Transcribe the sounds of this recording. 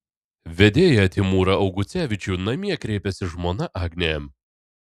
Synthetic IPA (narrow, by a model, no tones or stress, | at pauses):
ʋʲɛd̪ʲeːjɛɐt̪ʲɪmuːɾɐɐʊɡʊt̪sʲæːʋʲɪt͡ʃʲuːˑnɐmʲiɛkɾʲɛɪpʲɛsʲɪʒmoːnɐʔɑːɡnʲeːm